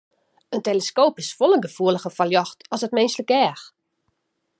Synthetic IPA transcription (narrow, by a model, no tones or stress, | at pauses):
ənteləskoːpɪsfolˠənɡəfuələxəfɔljɔxtʰɔsət̚mɪnsləkɛːx